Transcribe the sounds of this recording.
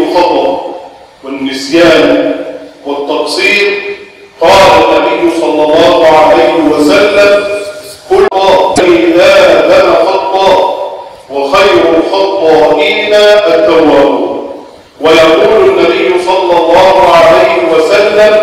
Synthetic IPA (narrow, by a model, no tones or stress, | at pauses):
xɑt̪ˤɑʔ | wɪnːɪsjaːn | wɪt̪ːɑqsˤiːɾ | qɑːlanːabɪjːʊsˤɑlːɑlˤːɑːhʊʕalajhɪwasalːamkʊlːɑːbajðaːlanaxɑt̪ˤːɑː | wɑxajɾʊxɑt̪ˤːɑːʔɪːnaːʔat̪ːawːaːbuːn | wajɑquːlanːabɪjːʊsˤɑlːɑlˤːɑːhʊʕalajhɪwasalːam